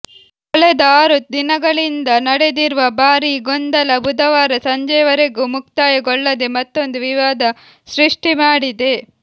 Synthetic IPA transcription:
kɔɭɛd̪ɐaːɾut̪̚d̪inɐɡɐɭind̪ɐnɐɽed̪iɾuʋɐbaːɾiɡɔnd̪ɐlɐbud̪ɐʋaːɾɐsɐɲd͡ʒɐjɐʋɐɾeɡumuk̚t̪aːjɐɡɔɭːɐd̪e̞mɐt̪ːo̞nd̪uʋiʋaːd̪ɐ | sɾiʂʈimaːɽid̪e̞

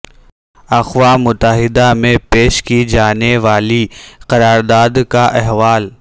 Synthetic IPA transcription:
ɐxʋamʊt̪ːəɦɪd̪amẽpeːʃkid͡ʒaːneʋaːliqɐɾaːɾd̪aːd̪kaʔɛɦʋaːl

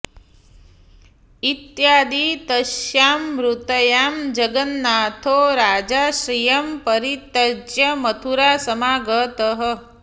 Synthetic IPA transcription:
it̪jaːd̪iːt̪ɐʃjaːmɾut̪ɐjaːmd͡ʒɐɡɐnːaːt̪ʰoːɾaːd͡ʒaːʃɾijɐmpɐɾit̪ɐd͡ʒjɐmɐt̪ʰuɾaːsɐmaːɡət̪əɦə̆

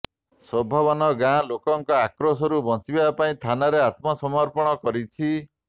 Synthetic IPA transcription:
sɔbʱɔβɔnɔɡãlokɔŋkɔakɾɔs̬ɔɾubɔsibapaĩt̪ʰanaɾeat̪mɔsɔmɔɾpɔɽ̃ɔkɔɾit͡ʃʰi

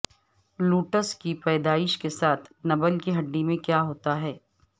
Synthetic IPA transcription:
luːʈəskipɛːd̪aːɪʃkesaːt̪ʰnɐbəlkiɦɐɖːimẽkjaɦoːt̪aɦɛː

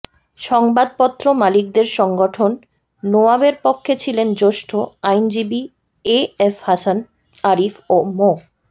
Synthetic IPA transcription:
ʃɔŋbad̪̚pɔt̪ːɾomalik̚d̪eɾʃɔŋɡoʈʰonː | oabeɾpokʰːet͡ɕʰilend͡ʑoʃʈʰoajnd͡ʑibi | eefhasan | aɾifomo

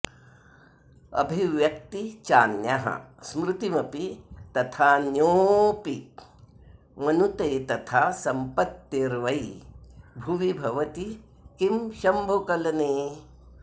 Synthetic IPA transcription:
ɐ̰bʱiʋjɐk̚t̪it͡ʃaːnjɐɦɐ̰smɾɪt̪imɐpit̪ɐt̪ʰaːnjoːpi | mɐnut̪eːt̪ɐt̪ʰaːsɐmpɐt̪ːeɾʋɐj | bʱuʋibʱɐʋɐt̪i | kimʃɐmbʱukɐlɐneː

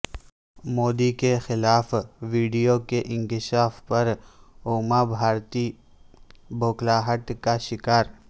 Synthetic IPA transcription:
moːd̪ikexɪlaːfʋiːɖijokeʔɪ̃ŋkɪʃaːfpɐɾoːmabʱaːɾt̪i | bʱoːklaːɦəʈ̪kaʃɪkaːɾ

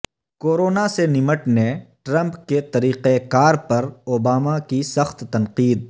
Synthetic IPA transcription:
koːɾoːnasenɪməʈneʈɾɐ̃mpket̪ɐɾiːqekaːɾpɐɾoːbaːmakisɐxt̪ːɐ̃nqiːd̪̚

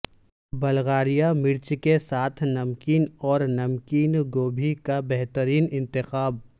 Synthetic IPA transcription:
bɐlɣaːɾijamɪɾt͡ʃkesaːt̪ʰnɐmkiːnɔːɾnɐmkiːnɡoːbʱikabɛɦt̪əɾiːnɪ̃nt̪ɪxaːb

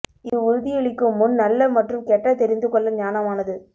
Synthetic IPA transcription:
ɪɯʊɾðɪjɛɭɪkːɯmʊnnɐlːɐmɐʈrɯmkɛʈrɐt̪ɛɾɪnd̪ɯkɔɭːɐɲaːnɐmaːnɐðɯ

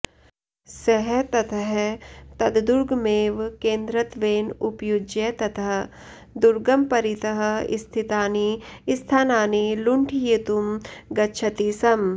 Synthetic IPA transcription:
sɐɦɛt̪ɐt̪ʰɐɦt̪ɐd̪d̪uɾɡmeːʋkẽːnd̪ɾɐt̪ʋeːnupjud͡ʒjet̪ɐt̪ʰɐɦ | d̪uɾɡɐmpɐɾit̪ɐɦḭst̪ʰit̪aːniːst̪ʰaːnaːniluɳʈʰijit̪umɡɐtːʃʰɐt̪iːsɐm

